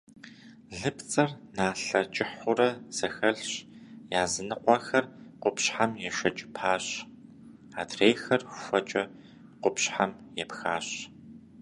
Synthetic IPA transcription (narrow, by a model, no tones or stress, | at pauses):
ɮɨpt͡sʼɐrnaːɬɐt͡ʃʼɪħʊrɐz̥ɐxɐɮɕjaːzɨnɨqʷɑxɐrqʷʊpɕħamjɛʃɐt͡ʃʼɪ̥pʰaːɕ | aːdreːjxɐrxʷɐt͡ʃʼɐ | qʷʊpɕħamjɛpxaːɕ